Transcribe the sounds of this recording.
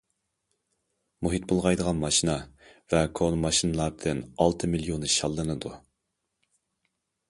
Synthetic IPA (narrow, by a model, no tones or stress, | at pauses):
muɦit̪̚bolˠʁɑjd̪əʁɑnmɑʃinɑvɛkʰonmɑʃinɨlˠɑɾd̪ɨnɑlˠt̪ʰɨmiljonɨʃɑlˠːɨnɨd̪u